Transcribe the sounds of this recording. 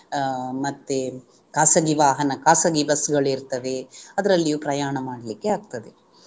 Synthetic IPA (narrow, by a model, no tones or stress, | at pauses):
mɐt̪ːe | kaːsɐɡiʋaːɦɐnɐkaːsɐɡibɐsɡɐɭiɾt̪ɐʋe̞ɐd̪ɐɾɐlːijuːpɾɐjaːɳɐmaːɽɐlikːeaːɡ̚t̪ɐd̪e